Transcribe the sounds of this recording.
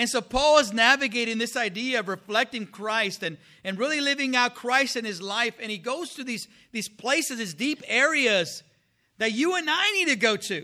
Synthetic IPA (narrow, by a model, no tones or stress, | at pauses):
ɨ̃nsoʊpʰɔlˠəznævɨɡeɪɾɪ̃ŋðɪsaɪdiɨʌvɹɨflɛk̚tɪ̃ŋkʰɹ̥aɪstɨ̃n | ɨ̃nɹɪlˠilɪvɪ̃ŋaʊt̚kʰɹ̥aɪstɨ̃nɨzlaɪfɨ̃ñiɡoʊz̥tʰɨðiz̥ | ðiz̥pʰl̥eɪsɨzðizdipɛɹiɨz | ðɨt͡ʃɨə̃naɪnid̚tɨɡoʊɾʉ